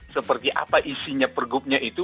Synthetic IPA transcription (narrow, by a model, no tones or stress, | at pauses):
səpərt̪iʔa̰paʔisiɲapərɡup̚ɲaʔit̪u